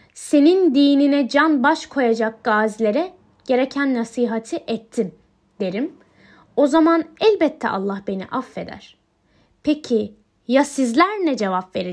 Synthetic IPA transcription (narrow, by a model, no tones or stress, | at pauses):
se̞nind̪iːninɛd͡ʒanbaʃkʰo̞jad͡ʒak̚ɡ̥aːzlʲe̞ɾɛ | ɟ̥e̞ɾe̞cʰænːasiːɦat̪ʰiʔɛt̪ʰːim | d̪̥e̞ɾim | o̞zamanɛlʲbɛt̪ʰːɛ̰ʔa̰lˠːahbe̞nḭʔafːe̞̰d̪æ̰ɾ̥ | pʰecʰi | jasizlʲæɾnʲɛd͡ʒe̞vapve̞ɾi